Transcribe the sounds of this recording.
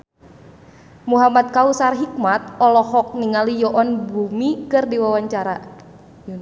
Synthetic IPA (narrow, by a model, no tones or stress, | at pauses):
muɦamat̪̚kausarɦik̚mat̪̚ɔlɔhɔk̚niŋalijɔʔɔnbumikɨrdiwawaɲt͡ʃaɾa